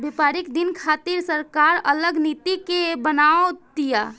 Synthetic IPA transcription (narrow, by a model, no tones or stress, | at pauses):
bɪpaːɾɪkd̪ɪnkʰaːt̪iɾsəɾkaːɾələɡnit̪ikebənaːot̪ija